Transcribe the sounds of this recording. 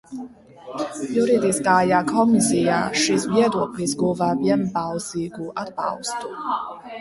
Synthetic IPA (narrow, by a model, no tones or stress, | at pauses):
juɾid̪iskaːjaːkʰɔmisija̰ːʃis̬viɛd̪uɔklʲisɡuvaːviɛnbalˠsiːɡuʔad̪bɑ̰lˠst̪u̥